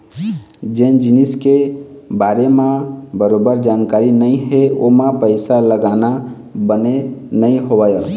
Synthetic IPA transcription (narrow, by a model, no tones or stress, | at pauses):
d͡ʒend͡ʒiniske | baɾemãbəɾobəɾd͡ʒankaɾinəɪɦeomãpəɪsaləɡana | bənenəiɦobajə